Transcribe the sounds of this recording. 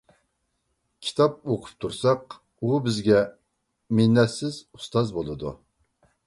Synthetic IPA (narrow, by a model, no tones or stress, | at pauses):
kʲʰi̥t̪ʰɑp̚oqʰʊ̥p̚t̪ʰuɾsɑq | ubɪzɡʲɛ | mɪnːɛt̪sɪzu̥st̪ɑzbolˠɨd̪ṵ